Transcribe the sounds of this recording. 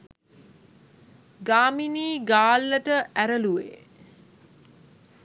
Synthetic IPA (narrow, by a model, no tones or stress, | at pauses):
ɡaːminiːɡaːlːəʈəʔæɾəluʋḛ